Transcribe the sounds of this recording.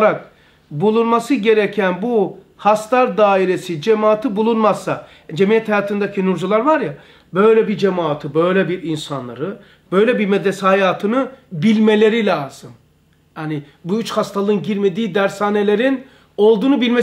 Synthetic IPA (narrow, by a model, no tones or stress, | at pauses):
ɾak | bulˠunmasɯɟe̞ɾecʰænbu | hast̪ʰaɾd̪aːiɾesid͡ʒemaːt̪ʰɯbulˠunmasːa | d͡ʒemijɛt̪hajaːt̪ʰɯnd̪acʰinuɾd͡ʒulˠaɾvaɾja | bø̞jlʲɛbiɾd͡ʒemaːt̪ʰɯbøjlʲɛbiɾinsanlˠa̰ɾɯ | b̥ø̞jlʲɛbiɾmɛd̪ɾesihajaːt̪ʰɯnɯbilʲmelʲe̞ɾilʲaːz̥ɯm | hani | buyt͡ʃhast̪ʰalˠɯnɟiɾme̞d̪iːd̪æɾsaːne̞lʲe̞ɾin | o̞lˠd̪uːnubilʲme